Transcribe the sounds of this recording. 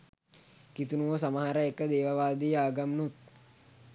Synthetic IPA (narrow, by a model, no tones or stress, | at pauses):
kit̪unuʋəsaməɦaɾəekəd̪eːʋəʋaːd̪ijəaːɡamnut̪̚